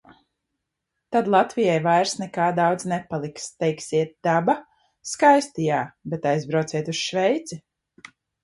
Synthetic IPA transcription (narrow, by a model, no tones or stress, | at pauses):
t̪ad̪lˠat̪vijajvajɾsnɛkaːd̪awd̪znɛpalˠikst̪ɛjksiɛt̪̚d̪̥aba | skajst̪ijaːbɛt̪ajzbɾawt̪iɛt̪usʃvɛjt̪si